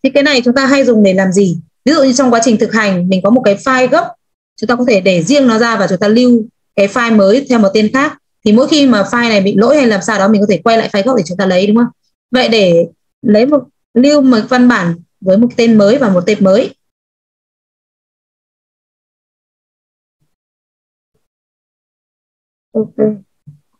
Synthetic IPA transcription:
t͡ɕʰi˨˦˥kaː˨˦na˨˩jt͡ɕʊ˨˦ŋ͡mt̪aː˧ɦa˧jzʊ˨˩ŋ͡mɗe˧˩laː˨˩mzi˨˩vi˨˦zṵ˧˨ɲɨ˧t͡ɕɔ˧ŋ͡mkwa˨˦t͡ɕï˨˩ŋ̟t̪ɨ˨˩k̚ha˨˩jŋ̟mï˨˩ŋ̟kɔ˨˦mo˨˩t̚kaː˨˦jfaː˧jɣə˦˥p̚ | t͡ɕʊ˨˦ŋ͡mt̪aː˧kɔ˨˦t̪ʰe˧˩ɗe˧˩zi˧əŋnɔ˨˦zaː˧vaː˨˩t͡ɕʊ˨˦ŋ͡mt̪aː˧li˧w | kaː˨˦jfaː˧jməː˨˦jt̪ʰɛ˧wmo˨˩t̚t̪e˧nxaː˦˥k̚ | t̪ʰi˨˩mo̰˧˥jxi˧maː˨˩faː˧jna˨˩jɓḭ˧˨lo̰˧˥jha˧jlaː˨˩msaː˧wɗɔ˨˦mi˨˩ŋ̟kɔ˨˦t̪ʰe˧˩kwa˧jla̰ː˧˨faː˧jɣə˦˥p̚t̪i˨˩ʊ˨˦ŋ͡mt̪aː˧lə˨˦jɗʊ˨˦ŋ͡mʔə˧wŋ͡m | və̰˧˨jɗe˧˩ | lə˨˦jmo˨˩t̚ | li˧əwməː˨˩˦va˧nɓaː˧˩n | vəː˨˦jmo˨˩t̚t̪e˧nməː˨˦jvaː˨˩mo˨˩t̚t̪e˧˩p̚məː˨˦j | ʔo˧ke˧

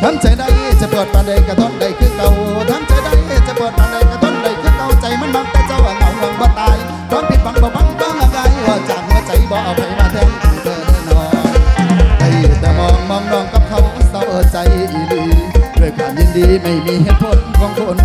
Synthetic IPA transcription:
t̪ʰa˧˥˨ŋt͡ɕa˨˦jda˧jt͡ɕa˧˩pəː˨˩t̪̚paː˨˧nda˧˩jka˧˩t̪ʰo˧˥˩t̚da˧˩jk̪ʰɯː˧˥˨ka˧wt̪ʰa˧˥ŋt͡ɕa˨˧˦jda˧˨ja˧˩t͡ɕa˧˩pɤː˨˩ət̪̚maː˨˧˩nda˨˩jka˧˩t̪ʰo˧˥t̚da˨˩jkʰɯː˧˥˨ka˧˩wt͡ɕa˨˧˦jmaː˧˥˨nma˧˥k̚t̪ɛː˧˩t͡ɕa˧˩wʔaː˨˧˩na˧ŋwɔ˧˥ŋbɔː˧˦t̪aː˧j | kɔː˧˥npi˨˩t̪̚ɓa˧˥ŋbɔː˨˧˦ba˧˥˩ŋ˧kaː˧˥˨ŋʔaː˧ɣa˧jwaː˧˩t͡ɕaː˨˩k̚mɯ˧˨t͡ɕa˨˦jbɔː˨˧˦ʔa˨˧˩wpʰa˨˦jmaː˧˩t̪ʰaː˧˨˧a˨˩˦t̪ʰəː˧˩na˧˩nɔː˧˦ | ha˨˧˩jt̪ɛː˧˩mɔː˧˩ŋmɔ˧ŋnɔː˧ŋka˧˥p̚kʰa˧˩wa˧˥nsa˧wʔəː˧˩t͡ɕa˨˧jʔiː˨˧˩liː˧˦doː˧˩˨jkʰaː˨˩ɲi˧˨ndiː˧ma˧˩jmiː˧˥he˧t̪̚pʰo˧n˧kɔː˧ŋkʰo˧˩n

